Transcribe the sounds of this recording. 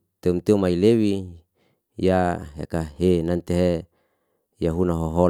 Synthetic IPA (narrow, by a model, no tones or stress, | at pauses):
t̪emt̪eumailewi | jaɦḛkaɦenant̪eɦe | jaɦunaɦoɦo